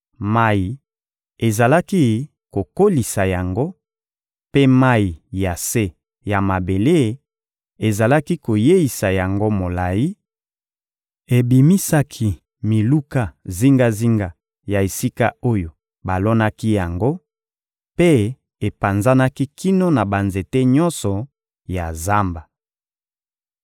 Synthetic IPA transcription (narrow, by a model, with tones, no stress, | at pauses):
ma˦ji˨ | e˨za˨la˦ki˦ | ko˨ko˦li˨sa˨ja˨ŋɡo˦ | pe˦ma˦ji˨ja˨se˦ | ja˨ma˨be˨le˦ | e˨za˨la˦ki˦ko˨je˦i˨sa˨ja˨ŋɡo˦mo˨la˨ji˦ | e˨bi˨mi˦sa˦kʰi˦ | mi˨lu˦ka˦zi˦ŋɡa˦zi˦ŋɡa˨ | ja˨e˨si˦ka̰˦o˦jo˨ | ba˨lɔ˦na˦ki˦ja˨ŋɡo˦ | pe˦ | e˨pa˨nza˦na˦ki˦ki˦no˦na˨ba˨nze˨te˦ɲɔ˦nsɔ˨ | ja˨za˦mba˨